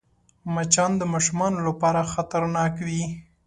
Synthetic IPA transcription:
mat͡ʃɑnd̪əmɑʃumɑnolapɑɾaxat̪aɾnɑkwi

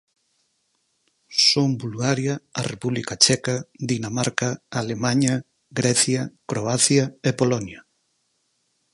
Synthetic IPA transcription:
sombulɣaɾjɐːrepuβlikat͡ʃɛkaðinamaɾkaalemaɲɐ | ɡɾɛθjɐkɾoaθjɐepolonjɐ

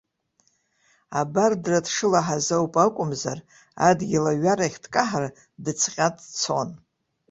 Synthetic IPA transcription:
abardradʂɨlaħazowpʼakʷʼʊmzar | adɡʲilaɥaɾaχʲtʰʼkʼaħar | dɨt͡sʰqʲʼatʼt͡sʰo̰n

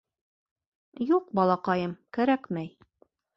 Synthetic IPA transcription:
juqbɑlˠɑqɑjɤmkæɾækmæj

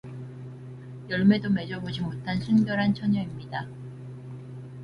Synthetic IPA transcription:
jʌɭme̞dome̞d͡ʑʌbod͡ʑimotʰansʰunɡjʌɾɦant͡ɕʰʌɲʌimɲida

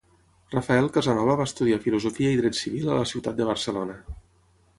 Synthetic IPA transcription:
rafaɛlˠkəzanɔβəβast̪uðiafiluzofiəiðɾɛt̪siβilələsiwt̪at̪̚d̪əβ̞əɾsəlonə

